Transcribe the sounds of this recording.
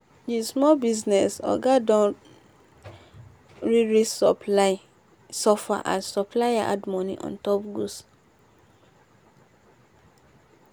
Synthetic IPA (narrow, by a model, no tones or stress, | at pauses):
dismɔlbiznɛsɔ̰ɡadɔ̃n | ɹiɹissɔpla | sɔfa̰ʔa̰ssɔplajaʔa̰dmɔ̃nḭ̃ʔɔ̰̃ntɔpɡus